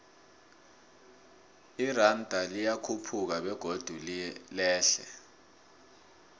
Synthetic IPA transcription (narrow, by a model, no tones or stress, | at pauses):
irandʼʱalijakʰupʰuk̬aɓɛɡ̥ʱod̥ʱullɛːɬɛ̰